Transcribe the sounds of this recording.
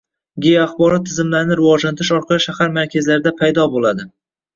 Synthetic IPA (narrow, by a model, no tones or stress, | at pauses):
ɡʲejaχbɒɾɒt̪ʰːɪzɪmlaɾɪnɪɾɪvɒd͡ʒlant̪ʰɪʃɒɾqʰɑɪʃahaɾmaɾkʲʰazlaɾɪd̪apʰajd̪ɒbolˠad̪ɪ